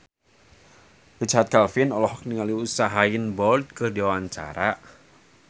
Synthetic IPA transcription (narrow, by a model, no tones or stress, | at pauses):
kət͡ʃaɦat̪̚kalfinɔlɔhɔk̚niŋaliusaɦainbɔrd̪̚kɨrdiwawaɲt͡ʃa̰ɾa